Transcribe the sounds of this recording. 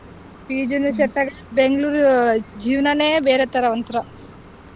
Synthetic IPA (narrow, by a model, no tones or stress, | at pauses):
piːd͡ʒeneseʈ̪ːɐɡɐ | beŋɡɐɭuːɾd͡ʒiːʋnaneːʋeːɾet̪ːɐɾɐʋɐnt̪ɐɾɐ